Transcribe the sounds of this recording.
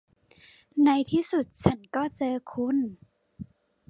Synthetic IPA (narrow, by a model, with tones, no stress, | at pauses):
na˧jt̪ʰiː˥˩su˨˩t̪̚t͡ɕʰa˦˥nkɔː˥˩t͡ɕɤː˧kʰu˧˥˨n